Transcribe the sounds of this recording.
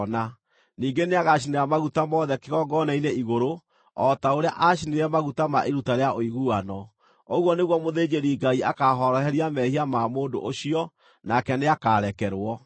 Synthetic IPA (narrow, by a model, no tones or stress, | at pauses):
na | niːɡeneaɣaineɾamaɣutamɔðɛkeɣɔɡɔnaineiɣoɾo | ɔtaoɾeaʔaʃineɾɛmaɣutama̰ʔeɾutaɾeaʔoiɣuanɔ | oɣwɔneɣwɔmoðeːd͡ʒeɾiɡaiakaɦɔɾɔɦɛɾiamɛhiamamoːndo̰ʔoɕiɔ | nakɛneakaɾɛkɛɾwɔ